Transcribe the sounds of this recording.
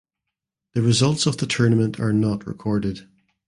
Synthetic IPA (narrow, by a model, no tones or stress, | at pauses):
ðəɹɪzʌlˠtsəvðətʰɜ˞nəmə̃nʔʰə̰˞nɔʔɹɪ̰kʰɔɹdɪd̥